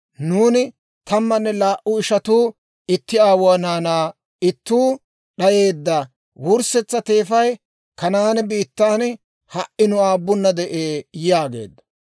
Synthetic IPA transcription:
nuːnɪ | t̪ɐmːɐnːɛlaːʔʊɪʃɐt̪uː | ɪt̪ːɪaːwɔɐnaːnaː | ɪt̪ːuː | ɗɐje̞ːd̪ːa | wʊɾsɛt͡sːɐt̪e̞ːfɐj | kɐnaːnbiːt̪ːaːn | hɐʔɪnʊaːbːʊnːɐd̪ɛʔeːjaːɡe̞̰ːd̪ːɐ̥

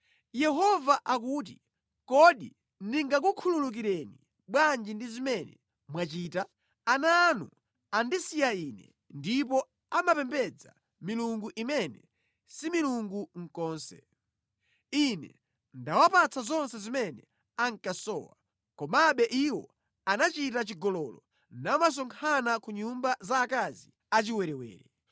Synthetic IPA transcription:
jɛɦɔvaʔak̬uːt̬i | kɔɗi | niŋɡak̬ukʰululuk̬iɾɛni | ɓwand͡ʒindizimɛnɛ̰ | mwat͡ʃiːta | anaːnṵ | andisijainɛ̰ | ndip̬ɔ | amapɛmbɛd͡za̰ | miluŋɡuʔimɛnɛ̰ | similuŋɡuŋ̩kɔːnsɛ̰ | inɛ̰ | ndawapat͡sʰazɔnsɛzimɛnɛ̰ | aŋ̩kasɔ̰ːwa | kɔmaɓɛʔiwɔ̰ | anat͡ʃitat͡ʃiɡɔlɔlɔ | namas̬ɔŋkʰanakuɲumbazaːkazi | at͡ʃiwɛɾɛwɛ̰ːɾɛ

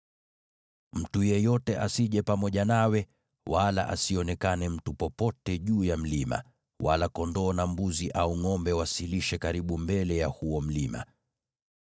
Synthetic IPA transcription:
m̩tujɛjɔtɛʔasiʄɛpamɔʄanawɛ | wala̰ʔasiɔnɛkanɛm̩tupɔpɔtɛʄuːjam̩lima̰ | walakɔndɔːnambuziʔauŋɔmbɛwasiliʃɛkaɾiɓumbɛlɛjahuɔm̩lima̰

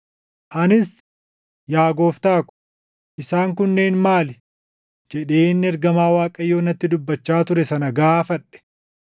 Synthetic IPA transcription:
ʔɐnɪs | jaːɡo̞ːft̪aːkʊ̥ | ʔɪsaːŋkʊnːe̞ːnmaːl | d͡ʒɛᶑe̞ːnːɪɛɾɡɐmaːwaːkʼɐjːoːnɐt̪ːɪd̪ʊbːɐt͡ʃːaːt̪ʊɾɛsɐnɐɡaːfɐᶑɛ̥

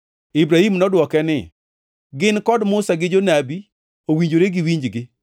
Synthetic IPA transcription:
ibɾahimnɔdwɔkɛnɪ | ɡɪnkɔdmʊsaɡɪd͡ʒonabi | owiɲd͡ʒoɾeɡɪwiɲd͡ʒɡɪ

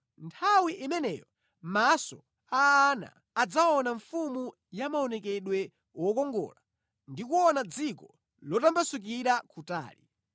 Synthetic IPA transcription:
ntʰawiʔimɛnɛjɔ | masɔ̰ | ana̰ːd͡zaɔnaɱfumu | jamaɔnɛkɛɗwɛ | wɔkɔŋɡɔ̰la | ndikuɔnad͡zikɔ | lɔtambasuk̬iɾakuta̰ːlḭ

